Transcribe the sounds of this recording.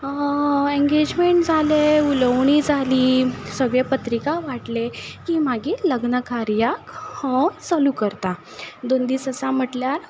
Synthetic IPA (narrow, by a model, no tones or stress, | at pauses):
ẽŋɡed͡ʑmeɳʈd͡zʱaleuləʋɳiːd͡zʱaliːsəɡɭepət̪ɾikaʋaʈlekiːm̤aɡiːləɡnəkaɾjakhə̃səlukəɾt̪a | d̪ond̪iːsəsam̤əʈljaɾ